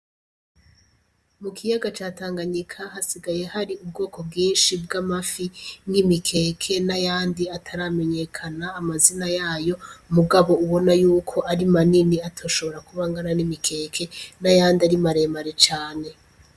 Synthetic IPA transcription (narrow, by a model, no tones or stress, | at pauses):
mukʰijaɡat͡ʃaːtaːŋɡaɲikʰaɦasiɡaje̞haɾiub̚ɡo̞ːko̞b̚ɡiːnʃib̚ɡamafiŋɡimikʰe̞ːkʰe̞najaːndiatʰaɾame̞ɲe̞kʰanaːmazinajaːjo̞muɡaβo̞uβo̞najuːkʰo̞ʔaɾimaniniatʰoːʃo̞βo̞ɾakuβaŋɡananimikʰe̞ːkʰe̞najaːndiaɾimaɾe̞maɾet͡ʃaːne̞